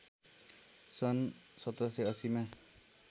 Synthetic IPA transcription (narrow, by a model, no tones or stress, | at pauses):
sɔnsɔt̪ɔseʌsima